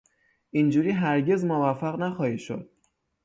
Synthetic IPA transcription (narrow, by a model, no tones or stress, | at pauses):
ʔind͡ʒuːɾiːɦæɾɟe̞zmovæfæɣnæxɒːhiːʃo̰d̪̥̚